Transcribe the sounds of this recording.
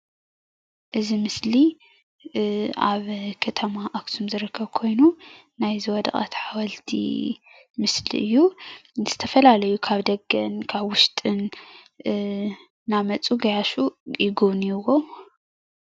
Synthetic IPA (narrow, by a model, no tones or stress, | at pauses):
ʔɨzimɨsli | ʔa̰βkʰɐt̪ʰɐmaʔakt̪ʰumzɨɾɨkʰːɐβkʰo̞jnu | najzɨwɔd̪ɐ̰χʼa̰t̪ħawɐlt̪ʰḭ | mɨslḭʔɨjːuz̥ɨt̪ʰɐfɐlalɐjukʰaβd̪ɐɡɐnkʰaβwʊʃt̪ʼɨn | amɐt͡sʼuɡɐjaʃujɪɡoβnijwo